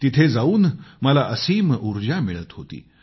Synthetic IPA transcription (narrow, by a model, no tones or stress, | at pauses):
t̪it̪ʰed͡zauːnməlaʔəsiːmuɾd͡ʑamiɭət̪ɦot̪ḭː